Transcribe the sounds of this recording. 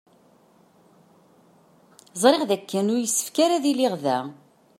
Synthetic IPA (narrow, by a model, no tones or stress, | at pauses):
zˤɾˤeʁðækːənʊɾjəsːə̥fkaɾaðilɪʁðæ